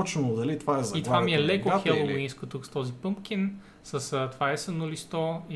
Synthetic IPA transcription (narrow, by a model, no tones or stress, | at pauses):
t͡ʃnod̪ɐlit̪vaɛzit̪vvamiɛlɛkoxɛlˠovinskot̪ukst̪ɔzipɤmpk̟in | səst̪ovaɛsɛnolist̪ɔi